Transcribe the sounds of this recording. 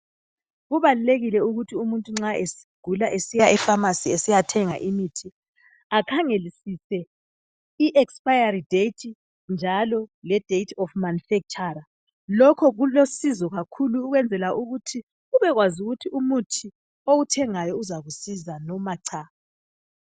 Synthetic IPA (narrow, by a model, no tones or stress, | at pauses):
ɣuβaluleɣilɛuɣutʰiumuntʼuŋ͡ǁaʔesiɡ̥ʱulaʔesijaʔifamasiesijatʰɛŋa̰ʔimitʰi | akʰaŋelisisɛ | iʔɛkspʼajaɾidetʰi | nd͡ʒʱalɔlɛd̥ʱejtʰɔfmanufɛk̚t͡ʃʼaɾa | lɔkʰɔɣulosizɔɣakʰuluːɣwɛnd͡zʱɛlaʔuɣutʰi | uβɛɣwazuɣutʰiumutʰi | oɣutʰɛŋajɔuzaɣusizanɔmaǀʰa